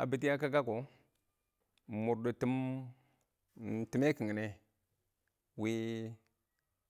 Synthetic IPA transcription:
a̰˨bi˨ti˦ja˦ka˦ka˦ko˨ | mu˨ɾdo˨ti˦m˨ | ti˨˦me˦ki˨ŋ˨ne˨ | wi˦

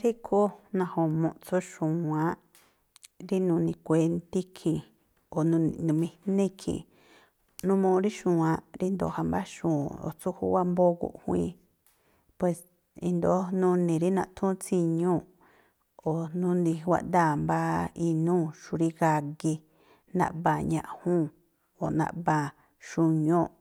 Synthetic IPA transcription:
ɾi˦kʰo˦nã˧hõ˨mõ̰˧ʔt͡so˦ʃũ˨ã˧˦ | ɾi˦nũ˧nĩ˧kʷe˧nt̪i˦kʰĩ˨ | o˨nũ˧ḭ̃˨nũ˧mĩ˧nĩ˦kʰḭ̃˨ | nũ˦mũ˧ɾi˦ʃũː˨ã˧ɾi˦nd̪o̰˧˨ha˧mba˦ʃũː˨o̰˨t͡su˦hṵ˦wa˦mbo˦ɣṵ˧˨ʔhwḭ̃˧ | pwe˧˨s | ḭ˧nd̪o˨˦nũ˧nĩ˨ɾi˦nã˧ʔt̪ʰũ˦t͡si˧ɲũ˦˨ | o˨nũ˦nd̪i˧wʷa̰˧ʔnd̪a˦˨mba˦i˧nũː˦˨ʃu˧ɾi˦ɣa˧ɣi˧ | nã̰˧ʔβã˨ɲã˧ʔhũ˦ | o̰˨nã̰˧ʔβã˧˨ | ʃu˧ɲõ˦˨

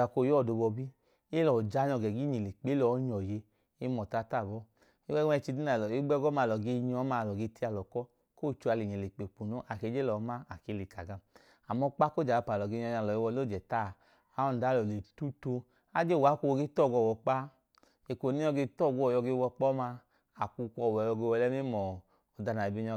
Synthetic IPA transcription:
a˨ko˦˨jɔ˦˨do˧bɔ˧bi˦ | e˦lɔ˨d͡ʒa˧˦ɲɔ˧ɡɛ˨ɡi˦ɲi˨le˨k͡pe˨˦lɔ˨˦ɲɔ˨je˧ | e˦mɔ˨ta˧˦˨ta˦˨bɔ˦ | i˦ɛ˦ɛ˧˨t͡ʃi˧di˦na˨lɔ˨e˦ɡ͡bɛ˦ɡɔ˦ma˧˨lɔ˨ɡe˧ɲɔ˨˦ma˧˨lɔ˨ɡe˧ti˧˦a˧˨lɔ˨kɔ˦ | ko˦˨t͡ʃu˧a˧li˨ɲ˨e˨le˨k͡pe˨k͡pu˨no˦ʔa˨ke˨˧˦d͡ʒe˦lɔ˨˦ma˦a˨ke˧le˨ka˨ɡa˧ | a˨mɔ˧k͡pa˦ko˦d͡ʒa˨a˧pa˨lɔ˨ɡe˧˦ɲɔ˧˦˧a˧˨lɔ˨e˧wɔ˧˦lo˦˨d͡ʒɛ˨taː˦˨˦ | ɔ˦˨n˨da˨˦˨lɔ˨le˨tu˦to˧ | a˦d͡ʒe˦˨wa˨˦kʷu˧ɡe˧˦tɔ˦˨ɡɔ˧˨wɔ˨k͡pa˦ | e˨kʷo˨ni˦ɔ˧ɡe˧tɔ˦˨ɡu˧˦ɔ˨jɔ˧ɡe˧wɔ˧k͡pɔ˦ma˧ | a˨ku˧kʷɔ˧˨wɔ˨jɔ˧ɡe˧wɔ˧lɛ˦m˦i˦mɔ˨ | ɔ˨da˧na˨i˨bi˧ɲɔ˧

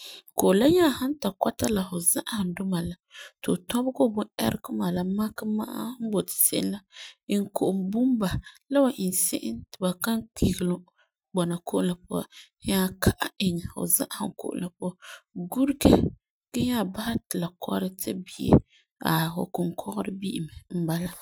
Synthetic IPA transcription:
ko˨ʔʊ˨la˦ɲaː˦˨ha˦n˦ta˨kɔ˦ta˦la˨fʊ˨za˦ʔa˦˨ha˨dʊ˦ma˨la˨tɨ˨tɔ˦bɡo˦bʊ˦ɛ̰˦ɾkɨ˦maː˨la˨ma˦ka˦ma˦ʔa̰˦hn̩˦bo˨tɪ̥˨sɪ̰˦ʔɪ˦nla˦ɪ˨ŋ˨ko˨ʔʊ˨mbu˦mba˨la˦wa˨ʔɪ˨nsɪ̰˦ʔɪ˦ntɪ˨ba˨ka˦ŋk͡pʰi˨ɡɪ˨lʊ˦ | bɔ˨na˨ko˦ʔʊ˦nla˨pʊ˦a˨˦ | ɲa˦kʰa˦ʔa̰˦ɪ˨ŋɛ˨fʊ̰˨za̰˦ʔa˦hŋ˨kʊ̰˨ʔʊ̰˨la˨pʊ˦a˦ɡu˦ɾɡɛ˦ | ɡ̥a˦ɲaː˦˨ba˦ha˦tɪ˨la˨kʰɔ̰˦ɾɪ˦tʰɪ̰˦bi˨ɛ̰˨ | a̰˨ʊ̰˨kʊ˨ŋkʰɔ˦ɣɔ˦ɾɪ˦bi˦ʔɪ˨mɛ˨m̩˦ba˦la˦

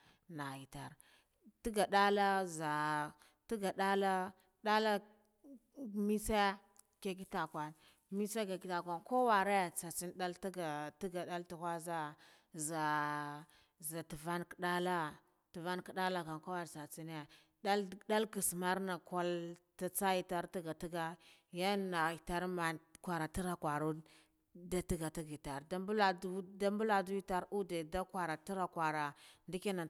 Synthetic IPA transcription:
na˨ji˨ta˨ɾ | ti˦ɡa˨da˦la˦za˨ | ti˦ɡa˨ɗa˦la˦ | ɗa˦la˦ | mi˦se˦ | ke˦k̬i˦ta˨kwa˨n | mi˦se˦ka˨ki˦ta˨kʷa˨nko˦wa˨ɾe˦t͡sa˨t͡si˦nda˦ltɡa˨ti˦ɡa˨ɗa˦ltu˨xʷa˦za˦za˨ | za˨tu˨va˦nkɗa˦la˦ | tə˨va˦nkə˨ɗa˦la˦ka˨ŋka˦wa˦ɾsa˨t͡si˦ne˦˨ | da˦lda˦lki˨sma˦ɾna˨kʷa˦lta˦t͡sa˦ji˦ta˦ɾti˦ɡa˨ti˦ɡa˦ | ja˦na˨i˨ta˦ɾma˨kʷa˨ɾa˨ti˦ɾa˨kwa˨ɾu˦ | da˦ti˦ɡa˨ti˦ɡi˨ta˨ɾda˦bla˨du˦da˦mbu˦la˨du˦i˦ta˦ɾu˦de˨da˦kwa˨ɾa˨ti˦ɾa˨kwa˨ɾa˨ndi˦ki˦na˨

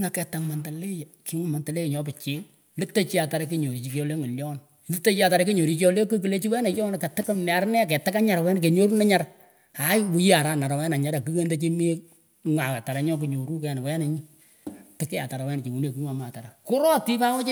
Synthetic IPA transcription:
ŋa˨kɛ˨ta˨ŋma˨nta˨le˦jki˨˦ŋ˦ma˨nta˨le˦˨ɲɔ˦pɪ˨t͡ʃɪ˦ | lɪ˦ta˦t͡ʃi˦a˨ta˨ɾa˦ke˦ɲo˨ɾi˨t͡ʃi˨ko˦le˦ŋi˨ljɔ˦n | lɪ˦te˦t͡ʃi˦a˨ta˨ɾa˦ki˦ɲo˨ɾi˦t͡ʃo˦le˦ku˦k̬i˨le˦t͡ʃi˦wɛ˦na˨t͡ʃɔ˦n˨ke˨tɪ˦km˨a˨ɾnɛ˦˨k̬ɛ˨ta˦ka˦ɲa˨ɾa˨wɛ˦nk̬e˨ɲo˦ɾu˦na˦ɲa˦ɾa˨ | a˨˦wu˨ji˦a˨ɾa˦na˨ɾa˨wɛ˦na˨ɲa˦ɾa˨ki˦ke˦nde˦t͡ʃi˦mi˦ | ŋa˨ka˨ta˨ɾa˨ɲɔ˦k̬i˨ɲo˨ɾu˦kɛ˨n˨wɛ˦na˨ɲi˦ | tɪ˦ke˦a˨ta˨ɾa˨wɛ˦n˨t͡ʃi˨ŋu˨ne˨ki˦ŋa˨ma˨ta˨ɾa˨kʊ˦ɾɔ˦ti˦pa˦wɔ˦t͡ʃ

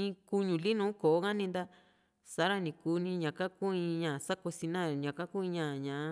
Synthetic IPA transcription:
ĩ˧ku˧ɲũ˨li˦nũ˨˦ko˨o˦ɣã˦nĩ˧nd̪a˦˧ | sa˨˦ɾa˦nĩ˨ku˧˦nĩ˧ɲã˨ka˦ku˦ĩ˧ɲã˨sa˦ko˧si˧nã˦˨ɲã˨ka˦ku˦ĩ˧ɲã˨ɲã˨ʔ

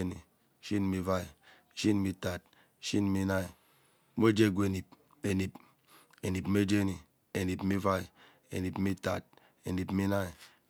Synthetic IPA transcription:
e˦ni˨ | ʃi˦n˨mi˦va˦i˨ | ʃi˦n˨mi˦ta˨t̚ | ʃi˦n˨mi˦na˦i˨ | me˦d͡ʒe˦˨ɡu˨e˨ni˨p̚ | e˨ni˨p | e˨ni˨pm˦e˦d͡ʒe˦ni˨ | e˨ni˨pmi˦va˦i˨ | ḛ˨ni˨pi˦ta˨t̚ | e˨ni˨pmi˦na˦i˨

